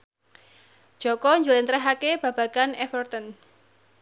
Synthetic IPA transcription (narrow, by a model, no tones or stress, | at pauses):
ʒ̥ɔ̤kɔɲd͡ʒulɪnt̪ɾɛɦakeb̥ä̤b̥ä̤ɡ̥anɛfɔrt̪ən